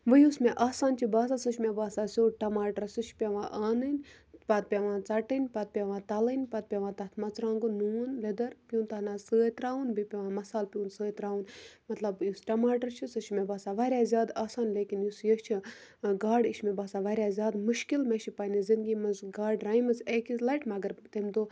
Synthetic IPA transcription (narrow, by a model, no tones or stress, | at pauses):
ʋəjusmeʔaːsaːnt͡ʃʰibaːsaːsɨt͡ʃʰmebaːsaːsʲoːʈɐmaːʈɐɾsɨt͡ʃʰpʲeʋãːʔaːnɨnʲ | pɐt̪̚pʲeʋãːt͡sɐʈɨnʲpɐt̪̚pʲeʋãːt̪ɐlənʲpɐt̪̚pʲeʋãːt̪ɐt̪ʰmɐt͡sɾãːŋɡunuːnled̪ɐɾpʲjuːnt̪ɐhnaːsəːt̪ɾaːʋunbipʲeʋãːmɐsaːlpʲjũːnsəːt̪ɾaːʋunmɐt̪lɐbjusʈɐmaːʈɐɾt͡ʃʰisɨt͡ʃʰmebaːsaːʋaːɾʲaːzʲjaːd̪aːsaːnleːkinjusjɐt͡ʃʰiɡaːɖiʃʰmebaːsaːʋɐːɾʲjaːzʲjaːd̪muʃkilmeʃʰipɐnizind̪ɡimɐzɡaːɖɾaːimɨzeːkilɐʈmɐɡɐɾt̪emd̪oː